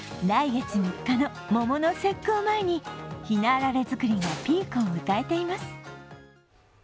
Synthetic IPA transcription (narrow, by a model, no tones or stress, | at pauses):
d̪aiɡet͡simʲikːano̞mo̞mo̞no̞se̞kːoːmae̞ɲ̟içinaɾaɾe̞zɨkɯ̟ɾʲiɡapʲiːkɯomɯ̟t̪ae̞t̪e̞imasɨ̥